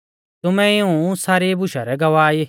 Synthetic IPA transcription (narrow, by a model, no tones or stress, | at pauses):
t̪ʊmɛ̃ɪũsaːɾebʊʃaɾɛɡɐʋaːe